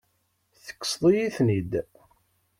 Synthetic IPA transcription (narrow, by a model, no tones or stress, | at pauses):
θə̥kːə̥sðˤijiθnid̪